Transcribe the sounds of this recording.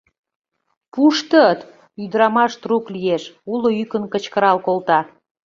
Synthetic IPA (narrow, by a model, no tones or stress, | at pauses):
puʃt̪ət̪ | yd̪ɾɑmɑʃt̪ruklijeʃuloykənkət͡ɕkəɾɑlkolt̪ɑ